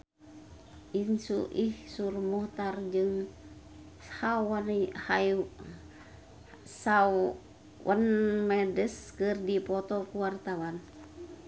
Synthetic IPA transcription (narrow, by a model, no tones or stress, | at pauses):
ʔinsṵʔihsurmɔht̪ard͡ʒɨŋ | hawanihaj | saw | wənmɛdɛskɨrdipɔt̪ɔkuwart̪awan